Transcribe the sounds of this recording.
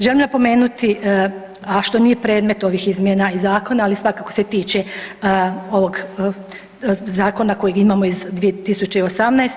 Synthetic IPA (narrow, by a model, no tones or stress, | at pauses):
ʒelimnapo̞me̞ːnut̪iʔ | aʃt̪o̞nije̞pɾe̞ːd̪me̞t̪o̞ʋixizmjenaizaːko̞naːlisʋakako̞set̪iːt͡ʃe | o̞ʋo̞ɡ | zaːko̞nako̞jiɡimaːmo̞izd̪ʋiet̪isut͡ʃeio̞samnajst̪